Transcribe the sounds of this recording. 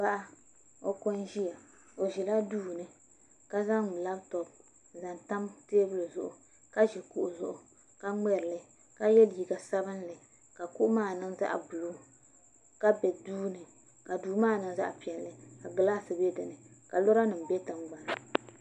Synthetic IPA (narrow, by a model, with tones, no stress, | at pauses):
ba˦ʔa˦ | o˦ko˦nʒi˦ja˨ | o˨ʒi˨la˦duː˦˨nɨ˨ | ka˦za˦˨la˦btɔ˨b̚ | za˨nta˦mteː˦bɨ˦lɨ˨zʊ̰˨ʔʊ˨ | ka˦ʒɛ˨ku˦ʔu˨zʊ˨ʔʊ˨ | ka˦ŋ͡mɛ˦ɾɨ˨lɨ˦ | ka˦jɛ˦li˨ɡa˨sa˦bɨ˦nlɨ˨ | ka˨ku˦ʔmaː˦˨nɨ˦ŋza̰˦ʔa̰˨bu˨lu˦ | ka˦bɛ˨duː˦nɨ˨ | ka˨duː˨˦maː˦˨nɨ˦ŋza̰˦ʔpi˨ɛ˨lːɨ˨ka˨ɡɨ˦laː˦sɨ˨bɛ˦dɨ˨nɨ˨ka˨lo˦ɾa˦nɨ˨m̩˨bɛ˦tɨ˨mɡ͡ba˨n˨